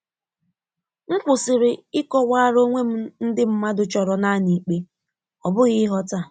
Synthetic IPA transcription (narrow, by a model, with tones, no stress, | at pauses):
ŋ̩˦kʷʊ˨sɪ˨ɾɪ˨ɪ˦kɔ˦wa˦ɾo˦ŋʷe˦m̩˦n̩˦dɪ˦m̩˦ma˦dʊ˦t͡ʃɔ˨ɾɔ˨na˦ni˨k͡pe˦ | ɔ˨bʊ˦ɣɪ˦ɦɔ˦ta˦˨